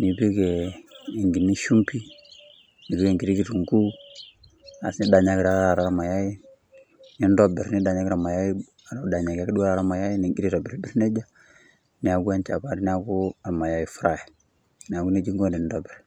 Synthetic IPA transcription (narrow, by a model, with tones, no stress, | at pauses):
ni˨bi˦ɡe˨i˨ŋɡi˨nːi˦ʃu˦mpi˦ | ni˨bi˦ɡe˨ŋɡi˨ɾi˦ki˦˨tu˨ŋku˦ | a̰˨sni˦da˨ɲa˦ɡi˨ɾa˨˦a˨ɾa˨ɾa˦ma˨ja˦ji˦ | ni˦n˦do˦bɛ˨ɾni˦da˨ɲa˦ɡɾa˨ma˨ja˦ji˦ | a˨ɾa˨˦da˨ɲa˨ɡa˦ki˦du˦a˦ɾa˨ɾa˦ma˨ja˦ji˦ni˨ŋɡi˦ɾi˦ɾo˨bi˨ɾbi˦ɾne˦d͡ʒa˦ | ni˨a˨ɡu˦a˦nt͡ʃa˨ba˦ɾni˦a˦ɡu˦a˨ɾma˨ja˦i˨fu˦ɾa˦˨jɛ˨ | n˨a˨ɡu˦ne˦d͡ʒi˦ŋɡo˦ni˨n˦do˨bɛ˨ɾ